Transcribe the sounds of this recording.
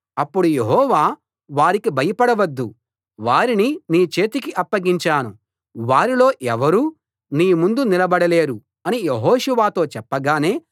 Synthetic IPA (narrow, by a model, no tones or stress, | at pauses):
ɐpːuɽujeɦɔːʋaː | ʋaːɾikibʱɐjɐpɐɽɐʋɐd̪ːu | ʋaːɾininiːt͡ʃe̞ːt̪ikiʔɐpːɐɡiɲt͡ʃaːnṵ | ʋaːɾilo̞ːʔɛʋɐɾuː | niːmund̪unilɐbɐɽɐle̞ːɾu | ɐnijeɦoːʃuʋaːt̪o̞ːt͡ʃɛpːɐɡaːne̞ː